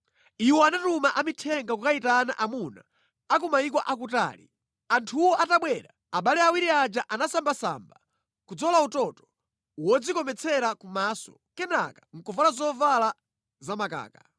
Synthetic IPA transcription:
iwɔanatumaʔamitʰɛŋɡakukaitaːnaʔamuna̰ | akumaikwaʔakuta̰ːlḭ | antʰuwɔʔataɓwɛɾa̰ | aɓalɛawiɾiad͡ʒaʔanasambasa̰mba | kud͡zɔlautɔtɔ̥ | wɔd͡zikɔmɛt͡sʰɛɾakumaːsɔ̥̰ | kɛna̰kḁŋ̩kuvalazɔvala | zamaka̰ːka

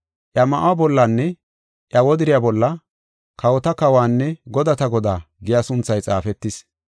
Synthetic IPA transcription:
ʔjɐmɐʔwabɔlːanːɛ | ʔjɐwɔd̪ɪɾɪjabɔlːɐ | kɐwɔt̪ɐkɐwaːnːɛɡɔd̪ɐt̪ɐɡɔd̪aː | ɡɪjasʊnt͡sːɐjt͡sʼa̰ːfɛt̪ːɪs

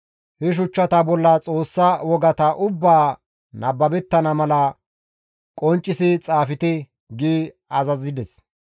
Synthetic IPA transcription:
hɛʃ̬ʊt͡ʃːɐt̪ɐbɔlːɐt͡sʼoːsːawɔɡɐt̪ɐʔʊbːaː | nɐbːɐbɛt̪ːɐnɐmɐlɐ | kʼɔnt͡ʃʼːɪsɪt͡sʼaːfɪt̪ɪ | ɡiː | ɐzɐzɪd̪ɛs

